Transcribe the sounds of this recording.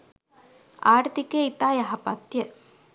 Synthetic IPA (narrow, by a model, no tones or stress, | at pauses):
aːɾt̪ikeːit̪aːjaɦapat̪ːjə